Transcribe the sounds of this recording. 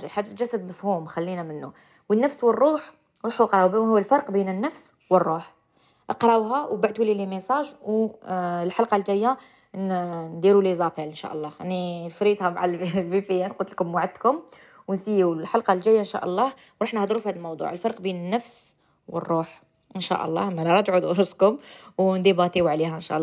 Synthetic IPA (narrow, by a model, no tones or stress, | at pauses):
ʒalħaʒːat̪ʒæsːəd̪məfhumxælːinæmənːu | wənːæfswərˤːuħ | wɾˤɑħuʔqɾˤɑbhʊwːəlfɑɾˤqbinənːæfs | wərˤːuħ | ʔɑqɾˤɑwɦæwbaʕt̪ulilimesˤɑʒw | lħalqɑlʒæjːa | nnd̪iɾulizˤɑfilənʃæ̰ʔəlˤːɑʕnifɾit̪hæmaʕallvifijænqʊt̪əlkʊmːʕad̪kʊm | wnsijulħalqɑld͡ʒæjːaʔənʃæ̰ʔəlˤːɑh | wɾˤɑħnəhd̪ˤɾufihæd̪əlmɑwd̪ˤṵʕəlfɑɾˤqbinənːəfs | wə̰rˤːuħ | ʔənʃæ̰ʔə̰lˤːɑ̰hmælɾˤɑt̪ʕud̪ʔɾʊskʊmwnd̪ibɑt̪ˤiwʕlihæənʃæ̰ʔlːɑ